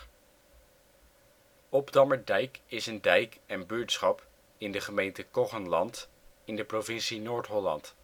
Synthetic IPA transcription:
ɔbdɑməɹdɛjkɪsəndɛjkɛnbyɹtsχɑp | ɪndəχəmejntəkɔχənlɑnt | ɪndəprovɪnsinoːɹtɦɔlɑ̰nt

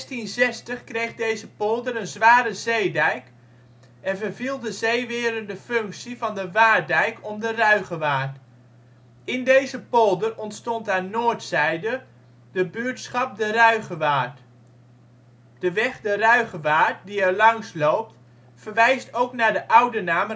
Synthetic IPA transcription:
stinzɛstəχkrejχdejzəpɔlˠdəɾənzʋaːɾəzejdɛjk | ɛnvəvilˠdəzejʋɪːɾəndəfɵŋksivɑndəʋaːdɛjkʰɔmdərœɥχəʋaːt | ɪndejzəpɔlˠdərɔntstɔntanːoːtsɛjdə | d̥əbyːtsχɑp̚dərœɥɣəʋaːt | d̥əʋɛχdərœɥɣəʋaːt̚diɛɹlɑŋslowp̚t | fərʋɛjstowknaːɹdəʔʌwdənaːm

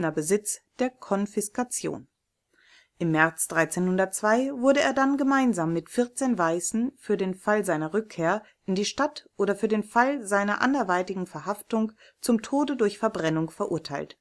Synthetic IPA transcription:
nɐbəzɪt͡sd̥eːɐkʰɔnfɪskat͡sjo̰ːn | ʔɪmːɛɐt͡sd̥ʁaɪt͡seːnhʊndɐt̚t͡sv̥aɪvʊɐɾəḛːɐdanɡəmaɪnzaːmːɪtfɪɐt͡seːnvaɪsn̩fyːɐdeːnfalzaɪnɐʁʏkʰːeːɐ | ʔɪndiːʃtatʔoːɾɐfyːɐdeːnfalzaɪnɐ̰ʔa̰ndɛɐvaɪtɪɡŋ̩fɛɐɦaftʊŋ | t͡sʊmtʰoːdədʊɐçfɛɐbʁɛnʊŋfɛɐʔʊɐtʰaɪlt

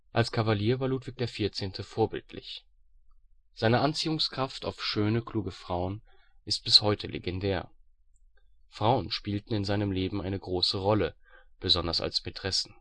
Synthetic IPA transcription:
ʔalskʰavaliːɐvaːɐluːtv̥ɪç̚d̥eːɐfɪɐt͡seːntʰəfoːɐbɪ̰ltʰlɪ̰ç | z̥aɪnəʔant͡siːʊŋskʁ̥aftaʊfʃøːnəkl̥uːɡəfʁ̥aʊənʔɪst̚b̥ɪshɔʏtʰəlʔḛɡɛndɛːɐ | fʁ̥aʊənʃpiːltn̩ɪnzaɪnəmleːbm̩aɪnəɡʁoːsəʁɔləb̥əzɔndɐsa̰lspʰetʁ̥ɛsn̩

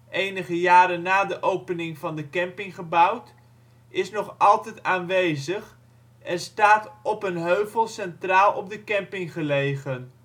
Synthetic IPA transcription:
ʔejnəχəjaːɾənaːdəʔowpənɪŋvɑndəkɛmpɪŋχəbawt | ɪsnɔχɑlˠtɛjtaːnʋejzəχ | ɛrstaːtɔpənɦøɥvəlˠsɛntraːlˠɔb̚dəkɛmpɪŋχəlejχən

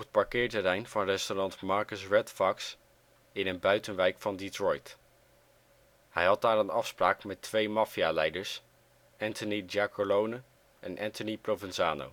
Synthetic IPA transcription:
ət̚pɑɹkɪːɹtəɾɛjnv̥ɑnrɛstonɑntmɑɹkəsɹɛtfɑks | ɪnənbœɥtənʋɛjkfɑnditɹɔjt | hɛjɦɑd̚daːɾənɑfspraːkmɛtʋejmaːfialɛjdəɹs | ɛntənid͡ʒakolownə | ɛnʔɛntəniprovənzaːno̰w

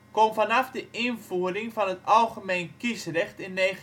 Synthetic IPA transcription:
komvanɑfdəʔɪnvuːərɪŋvɑnətɑlˠχəmejnkisrɛχtɪnːe

